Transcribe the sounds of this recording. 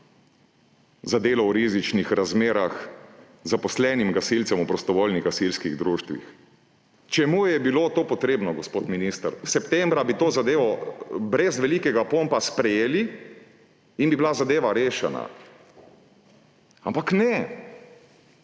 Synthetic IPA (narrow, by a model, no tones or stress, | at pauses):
zad̪eːlɔwɾizit͡ʃnixɾazmeːɾax | zapɔslɛnimɡasilt̪sɛmupɾɔst̪ɔʋoːlniɣɡasilskiɣd̪ɾuːʃt̪ʋḭx | t͡ʃɛmuːjɛbilot̪oːpɔt̪ɾeːbnɔɡospoːt̪minist̪əɾsɛpt̪ɛmbɾabit̪oːzad̪eːʋɔbɾɛzʋɛlikɛɡapompaspɾɛjeːli | nbibilazad̪eːʋaɾeːʃɛna̰ | ampaknɛ